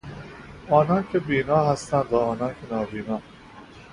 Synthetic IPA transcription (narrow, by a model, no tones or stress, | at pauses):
ɒːnɑːnkʰebiːnɒːɦast̪ænd̪ɒːnɑːnkʰenɒːbiːnɒː